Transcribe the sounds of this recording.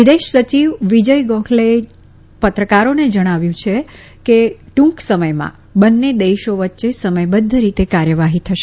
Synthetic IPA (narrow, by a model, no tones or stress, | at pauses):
ʋid̪eʃsət͡ʃiʋʋid͡ʒəjɡɔ̃kʰle | pət̪ɾəkaɾoned͡ʒəɽ̃aʋjũt͡ʃʰe | keʈũksəməjmã̰ | bənːed̪eʃoʋətːʃesəməjbəd̪ʱːəɾit̪ekaɾjəʋaɦit̪ʰəʃe